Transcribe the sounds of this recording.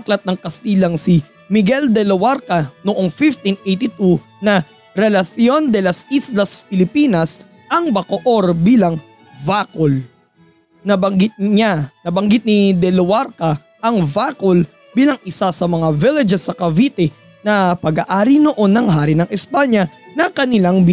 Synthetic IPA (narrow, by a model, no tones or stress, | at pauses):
klɐt̪̚nɐŋkɐst̪iːlɐŋsi | mɪɡɛld̪ɛlowaɾkɐnoʔo̞ŋfift̪inʔejt̪it̪u | nɐ | ɾɛlɐθjo̞nd̪ɛlɐsislɐsfɪlɪpiːnɐs | ʔɐŋbɐkoʔo̞ɾbiːlɐŋ | vakol | nɐbɐŋɡɪt̪̚ɲanɐbɐŋɡɪt̪̚nid̪ɛlowaɾkɐ | ʔɐŋvaːkol | biːlɐŋʔɪsasɐmɐŋavɪlɛd͡ʒɛsːɐkɐvit̪ɛ | nɐpɐɡaːʔaːɾinoʔo̞nːɐŋɦaːɾinɐŋʔɛspaɲɐnɐkɐnɪlaŋb